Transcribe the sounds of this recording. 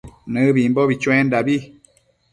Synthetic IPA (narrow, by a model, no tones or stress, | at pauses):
nɨ̃βimbɔβit͡ʃw̃ɛ̃ndaβi